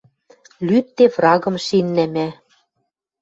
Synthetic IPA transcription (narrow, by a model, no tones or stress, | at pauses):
lyt̪ːefrɑɣɤ̆mʃinːæmæ